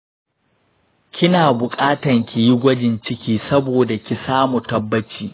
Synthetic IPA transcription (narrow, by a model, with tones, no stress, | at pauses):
kʲʰɪ˦naː˨bʊ˨kʼaː˦tɐ˨ŋkʲi˨ji˦ɡʷɐ˦d͡ʒɪ˨nt͡ʃɪ˦kʲiː˦sɐ˦boː˨da˨kʲi˨saː˦mu˨tɐ˨bːɐ˦t͡ʃiː˨